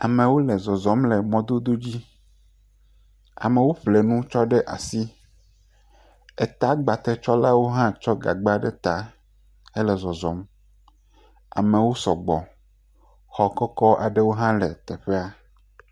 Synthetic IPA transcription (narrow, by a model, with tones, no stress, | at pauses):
a˨mẽ˨wo˦lɛ˨zɔ˨zɔ˨˦mlɛ˨mɔ̃˦d̪o˦d̪o˦d͡ʑi˦ | a̰˨mẽ˨wo˦ɸle˨nũ˦t͡ʃɔ˦ɖɛ˦ʔa̰˨si˦ | ɛ˨t̪a˦ɡ͡ba˨t̪ɛ˦t͡ʃɔ˦la˦wo˦ɦã˦t͡ʃɔ˦ɡa̰˨ɡ͡ba˦ɖɛ˦t̪a˨ | e˦lɛ˨zɔ˨zɔ˨m | a̰˨mẽ˨wo˦sɔ˨ɡ͡bɔ˨ | xɔ˨kɔ˦kɔ˦ʔa̰˨ɖe˦wo˦ɦã˦lɛ˨t̪ɛ˨ɸe˦a˦